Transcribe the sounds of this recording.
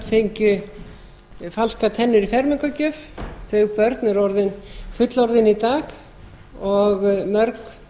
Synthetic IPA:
fejɲcʏ | falskat̪ʰɛnːʏɾifɛɾmɪŋkacœfθœɣpœɾt̪nʏɾɔɾðɪnfʏt̪lɔɾðɪnit̪aːɣ | ɔɣmœɾk

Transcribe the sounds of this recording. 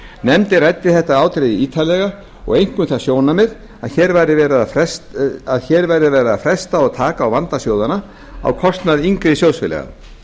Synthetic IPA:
nɛmt̪ɪrɛt̪ːɪθɛht̪aaːwt̪ɾeðɪiːt̪ʰalɛɣa | ɔ̰ɣejŋ̥kʏmθasjoːwnamɛɾ | aðçɛːɾvajɾɪvɛːɾaɾɛsaðçɛːɾvajɾðɪvɛːɾaafɾɛst̪aɔɣt̪ʰaːkaːwvant̪asjoːwðana | a̰wkʰɔst̪naðiŋkɾɪsjow̪sfɪlɛ̰ɣa̰

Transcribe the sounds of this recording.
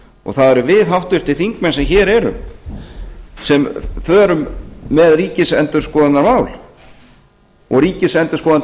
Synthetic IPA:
ɔ̰ɣθaðɛɾʏvɪðɦawht̪vɪɾ̥t̪ʰɪlθiŋkmɛnsɛmçɛːɾɛɾʏ̰m | sɛmfœːɾʏmːɛðriːcɪsɛnt̪ʏɾ̥skɔːðannaɾmaːwl | ɔ̰ɣriːcɪsɛnt̪ʏɾ̥skɔːðan

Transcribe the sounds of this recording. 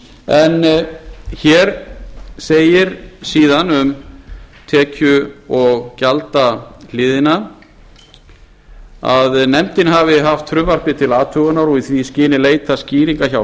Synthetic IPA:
ɛn | çɛːɾseːjɪɾsiːðanʏm | t̪ʰɛːcʏɔɣcalt̪alɪːðɪna | a̰ðnɛmt̪ɪnhavɪɦaft̪ʰːɾʏmvaɾ̥pɪt̪ʰɪlaːt̪ʰʏɣanaɾɔiθviscɪːnɪleːjt̪asciːɾiŋkaçaw

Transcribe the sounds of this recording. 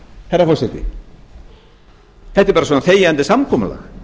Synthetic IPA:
hɛrːafɔrsɛt̪ɪ̰ | θɛht̪ɪɾpaːɾasvɔnaθeːjant̪ɪsamkʰɔma̰la̰

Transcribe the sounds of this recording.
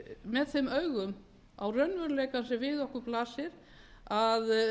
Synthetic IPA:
mɛðθejmœɥɣʏm | awrœnːvœɾleːjkansɛvɪðɔhkʏplaːsɪɾ̥ | að

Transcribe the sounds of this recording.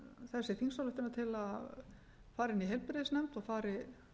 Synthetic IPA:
θɛsːɪθiŋsalʏht̪ɪnat̪ʰɪlað | faːɾɪniɦɛlpɪɾɪðɪsnɛjm̥t̪ɔɣfaːɾɪ

